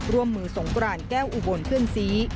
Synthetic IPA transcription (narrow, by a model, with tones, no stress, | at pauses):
ɾu˧əmːɯː˨˩so˩˦ŋkɾaː˧nkɛː˥˩wʔu˨˧bo˧˩npʰɯ˥˩ənsiː˦˥